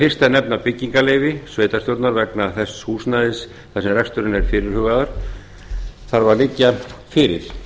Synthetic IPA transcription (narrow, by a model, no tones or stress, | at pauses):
fɪr̥st̪anɛpnapɪcːiŋkaleːjvɪsveːjt̪ast̪jowɾt̪naɾvɛknaθɛshuːsnaðɪs | θasɛmrɛkst̪ʏɾɪnɛɾ̥fɪːɾɪɾ̥hʏɣaðʏɾ̥ | θaɾvaɾlɪcːafɪːɾɪɾ̥